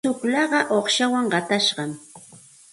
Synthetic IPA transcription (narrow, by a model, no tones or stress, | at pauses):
t͡ʃʊklɑɢɑʔoχʃawaŋɢɑt̪aʃɢɑm